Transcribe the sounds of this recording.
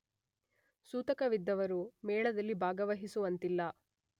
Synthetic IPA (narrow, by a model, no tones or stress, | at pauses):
suːt̪ɐkɐʋid̪ːɐʋɐɾumɛːɭɐd̪ɐlːibʱaːɡɐʋɐɦisuʋɐnt̪ilːɐ